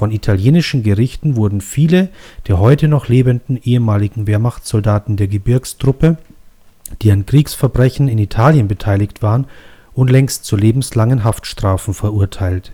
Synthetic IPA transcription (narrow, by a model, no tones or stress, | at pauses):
fɔnitʰaljeːnɪʃn̩ɡəʁɪçtn̩vʊɐdn̩fiːləd̥eːɐɦɔʏtənɔχleːbəndn̩ʔeːəmaːlɪɡŋ̩veːɐmaχt͡sz̥ɔldaːtn̩deːɐɡəbɪɐkstʁ̥ʊpə | d̥iːankʁ̥iːksfɛɐbʁɛçn̩ɪnitʰaːljənbətʰaɪlɪçtv̥aːʁənʊntlɛŋstt͡suleːbm̩slaŋənɦaftʃtʁ̥aːfn̩fɛɐʔʊɐtʰaɪlt